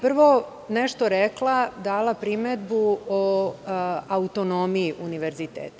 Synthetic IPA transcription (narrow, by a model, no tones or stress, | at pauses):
pr̩ʋo̞ | neʃt̪oɾeklˠad̪aːlapɾimed̪buo | aut̪onomiiʔuniʋe̞ɾzit̪ḛːt̪